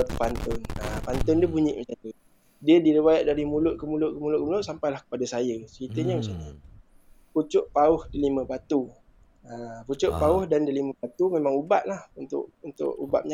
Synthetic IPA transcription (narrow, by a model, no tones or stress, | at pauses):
pant̪ʊnapant̪ʊnduəbuɲɪ̰ʔməsat̪u | diədiɾiwajaʔ̪̚daɾimulʊʔ̪̚kəmulʊʔkəmulʊʔ̚kəmulʊʔsampajlahkə̥padasajət͡ʃəkit̪əɲəməsani | put͡ʃʊʔpaʊhdəlimə̃bat̪u | əput͡ʃʊʔpaʊhdandəliməbat̪umemãŋubaʔ̪̚lahunt̪ʊ̰ʔunt̪ʊ̰ʔuba̰ʔ̚ɲa